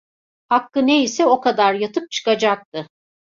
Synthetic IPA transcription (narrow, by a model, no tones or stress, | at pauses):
hakːɯne̞isɛo̞kad̪aɾjat̪ʰɯp̚t͡ʃʰɯ̥kad͡ʒak̚t̪ɯ